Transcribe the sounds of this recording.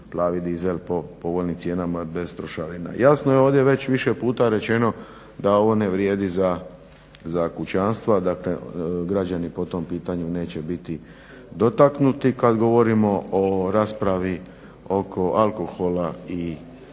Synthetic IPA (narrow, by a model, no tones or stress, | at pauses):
plaːʋid̪izelpopo̞ʋolnimt̪sje̞ːnamabe̞st̪ɾoʃaɾina̰jasnojeo̞ːʋd̪jeʋe̞t͡ɕʋiʃe̞puːt̪aɾe̞t͡ɕe̞no̞ | d̪ao̞ʋo̞ne̞ʋɾjeːd̪iza | zakut͡ɕanst̪ʋad̪akle̞ɡɾad͡ʑanipo̞t̪o̞mpiːt̪aɲune̞ːt͡ɕe̞bit̪i | d̪o̞t̪aknut̪ikad̪ɡo̞ʋo̞ɾimo̞oɾaːspɾaʋi | o̞kʰo̞ʔalˠko̞xo̞lai